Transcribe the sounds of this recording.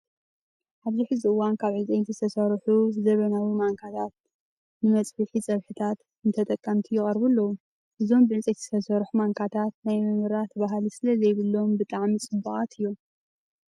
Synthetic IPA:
ʔaβziħɨziʔɨwankʰaβʕɨzijnt̪ʰzɨt̪ʰɐsɐɾħuzɐβɐnawimaŋkʰat̪ʰat̪̚ | nɨmɐt͡sʼbɨħit͡sʼɐβħɨt̪ʰat̪ | ɨnt̪ʰɐt̪ʼɐkʼːɐmt̪ʰijɪχʼɐɾbulːɐwu | ʔɨzo̞mbɨʕɨt͡sʼɐt̪zɨ̥t̪ʰɐsɐɾħumaŋkʰat̪ʰat̪najmɨmɨɾat̪ʰβaɦlisɨlɐzɐjβɨlːo̞mbɨt̪ʼaʕmit͡sʼɨbːɨχʼat̪ʰɨjːom

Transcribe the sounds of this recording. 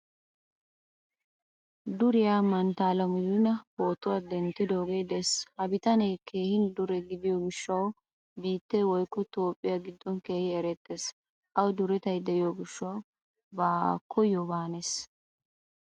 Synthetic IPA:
d̪ʊɾɪjaːmɐnt̪aːlɐmɪzɪnɐho̞ːt̪ʊwad̪ɛnt̪ːɪd̪o̞ːɡe̞ːd̪ɛshɐbɪt̪ɐnɛjkʰe̞ːhɪnd̪ʊɾɛɡɪd̪ɪjoːɡɪʃːɐw | biːt̪ːewɔjkːɔt̪o̞ːpʼːɪjaɡɪd̪ːɔnke̞ːhɪɛɾɛt̪ʼːeːs | ʔɐwd̪ʊɾɛt̪ɐjd̪ɛʔɪjoːɡɪʃːɐw | baːkʰːɔjɔbaːnes

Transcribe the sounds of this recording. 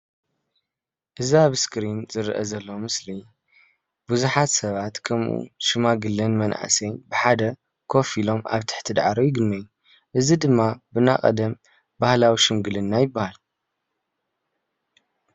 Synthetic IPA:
ʔɨziaβskɾinzɨɾʔɐ̰zɐlːɐmɨsli | buzuħat̪sɐβat̪kʰɐmʔṵʃɨmaɡɨlːɐnmɐnʔa̰sejnbɨħad̪ɐ | kʰo̞filo̞ma̰βt̪ʰɨ̥ħt̪ʰɨd̪ʕaɾojɪɡɨnːɐjːu | ʔɨzid̪ɨmːabɨnakʼɐ̰d̪ɐm | bahlawiʃɨmɡɨlɨnːajɪbːahal

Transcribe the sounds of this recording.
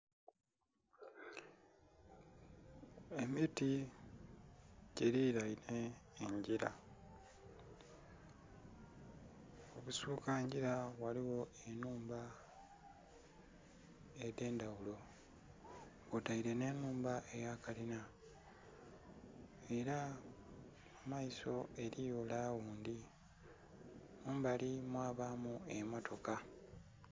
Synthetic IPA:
e̞miti | ɟeɾiɾaiɾeːɲɟiɾa̰ | oβusuːkaɲɟiɾawaliwo̞ | e̞nuːmba | ede̞ːndawulo̞ | βutaiɾe̞ne̞ːnuːmbaʔe̞jakalina | e̞ɾa | amaiso̞e̞ɾijolaːwuːnd̪i | muːmbalimwaːβamue̞motʰo̞ka

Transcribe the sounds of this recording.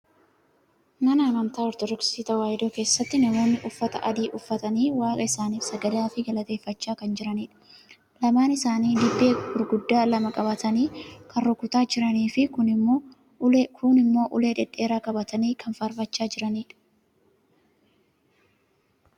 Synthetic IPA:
mɐnaːmɐnt̪aːɔɾt̪ɔd̪ɔksiːt̪ɐwaːjɪd̪oːke̞ːsːɐt̪ːɪnɐmo̞ːnːɪʔʊfːɐt̪ɐ̰ʔɐd̪iːʔʊfːɐt̪ɐniːwaːkʼɐɪsaːniːfsɐɡɐd̪aːfɪɡɐlɐt̪e̞ːfːɐt͡ʃːaːkɐnd͡ʒɪɾɐniːᶑɐ̥ | lɐmaːnɪsaːniːd̪ɪbːeːɡʊɾɡʊd̪ːaːlɐmɐkʼɐbɐt̪ɐniːkɐnɾɔkːʊt̪aːd͡ʒɪɾɐniːfɪkʊnɪo | kʰʊnɪmːo̞ːʔʊle̞ːᶑɛᶑʼːe̞ːɾaːkʼɐbɐt̪ɐniːkɐnfɐɾbɐt͡ʃːaːd͡ʒɪɾɐniːᶑɐ̥

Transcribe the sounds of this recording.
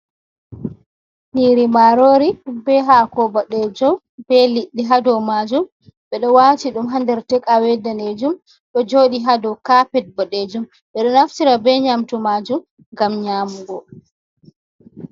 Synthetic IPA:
niɾimaɾoɾibɛɦakɔbaɗɛd͡ʒɔ | bɛliɗːiɦadɔwmaːd͡ʒum | ɓɛɗɔwaːtiɗumɦandɛɾtɛkawɛdaned͡ʒum | ɗɔd͡ʒoːɗiɦadɔkapɛt̚baɗed͡ʒum | ɓɛɗɔnaftiɾabɛɲamtumaːd͡ʒum | ŋɡamɲaːmuɡɔ

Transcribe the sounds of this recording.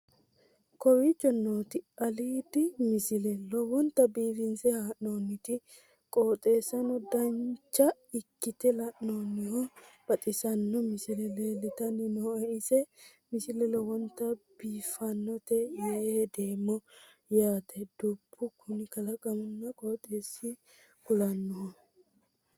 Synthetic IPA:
kɔwit͡ʃːɔnːoːt̪ɪɐliːd̪ɪmɪsɪlɛlɔwɔnt̪ɐbiːfɪnsɛhaːʔnoːnːɪt̪ɪ | kʼo̞ːt̪ʼe̞ːsɐnɔd̪ɐnt͡ʃːɐ | ɪkːɪt̪ɛlɐʔnoːnːɪhɔ | b̥ɐt̪ʼɪsɐnːɔmɪsɪlɛleːlɛt̪ɐnːɪnɔɔʔɪsɛ | mɪsɪlɛlɔwɔnt̪ːɐb̥iːfɐnːɔt̪ɛjɐed̪e̞ːmːɔ | jaːt̪ʰɛd̪̥ubʰːʊkʰʊnɪkɐlɐɡɐmʊnːɐkʼoːt̪ʼe̞ːsːɪ | kʊlɐnːɔɦɔ

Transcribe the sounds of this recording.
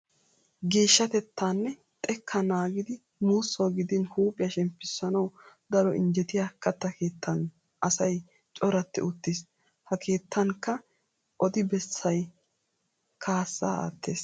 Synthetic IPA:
ɡe̞ːʃːɐt̪ɛt̪ːaːnːɛ | t̪ʼɛkʰːɐnaːɡɪd̪ɪ | muːsːɐwɡɪd̪ɪnhuːpʼɪjɐʃɛmpːɪsːɐnɐwd̪ɐɾɔʔɪnd͡ʒɛt̪ɪjakːɐt̪ːɐke̞ːt̪ʰːɐn | ʔɐsɐj | t͡ʃʼɔɾɐt̪ːɪ̰ʊt̪ːɪs | hɐkʰe̞ːt̪ʰːɐŋkːɐ | ʔɔd̪ɪbɛsːɐj | kʰaːsːa̰ːa̰ːt̪ːe̞ːs

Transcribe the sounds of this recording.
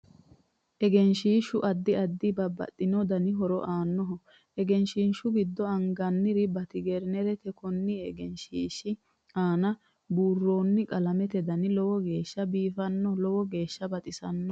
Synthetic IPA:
ʔɛɡɛnʃiːʃʊʔɐd̪ːɪɐd̪ːɪbɐbːɐ̰t̪ʼːɪnɔd̪ɐnɪɦɔɾɔ̰ʔaːnːɔɦɔ | ʔɛɡɛnʃiːnʃʊɡɪd̪ːɔɐŋɡɐnːɪɾɪbɐt̪ɪɡɛɾnɛɾɛt̪ɛkɔnːɪɛɡɛnʃiːʃɪ | aːnɐ | buːrːo̞ːnːɪkʼɐlɐmɛt̪ɛd̪ɐnɪlɔwɔɡe̞ːʃːɐbiːfɐnːɔlɔwɔɡe̞ːʃːɐbɐt̪ʼɪsɐnːɔ

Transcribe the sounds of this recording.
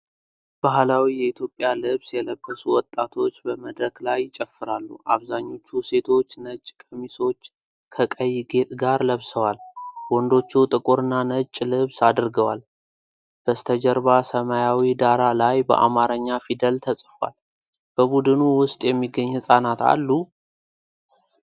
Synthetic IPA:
b̥aɦlawijɛit̪ʰjo̞pʼːjalɨβsjɛləbːəsuwɔt̪ʼːat̪ʰo̞t͡ʃːbəməd̪ɾəklajt͡ʃʼəfːɨɾalːuʔa̰βzaɲːo̞t͡ʃːuse̞t̪ʰo̞t͡ʃːnət͡ʃʼːkʼəmiso̞t͡ʃː | kʰəkʼəjɡe̞t̪ʼɡaɾləβsəwalwɔnd̪o̞t͡ʃːɛwt̪ʼɨkʼuɾɨnːanət͡ʃʼːlɨβsad̪ɾɡəwal | b̥əst̪ʰəd͡ʒəɾbasəmajawid̪aɾalajbə̰ʔa̰maɾəɲːafid̪əlt̪ʰəsʼfwa̰l | b̥əbud̪ɨnuwʊst̪ʼjɛmːiɡːəɲːhɨsʼanat̪a̰lːu

